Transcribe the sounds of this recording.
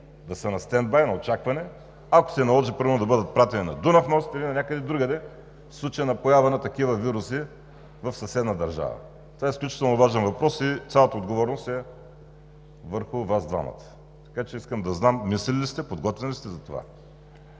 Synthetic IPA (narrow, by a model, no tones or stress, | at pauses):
d̪ɐsɐnɐst̪ɛnd̪̚bajnɐot͡ʃakvɐnɛ | ɐko̥sɛnɐlˠɔʒipɾiɾvvnod̪ɐbɤd̪ət̪̚pɾat̪ɛninɐd̪unɐfnɔsit̪ilinɐnʲakəd̪ɛd̪ɾuɡəd̪ɛ | fslˠut͡ʃejənɐpojavɐnɐt̪ɐkivɐviɾusi | vɐfsɐsɛd̪nɐəd̪ɐɾʒa̰və̰ | t̪ovaɛisklʲut͡ʃi̥t̪ɛlˠnovaʒɛnvɐpɾɔsit̪ʲalˠət̪ɐod̪ɡovɔɾnost̪ɛ | vəɾxʊvazd̪va̰mɐ̰t̪ə̥ | t̪ɐ̥kat͡ʃɛiskəmd̪ɐznamːislɛllist̪ɛpod̪ɡɔt̪vɛnlʲist̪ɛzɐt̪ova̰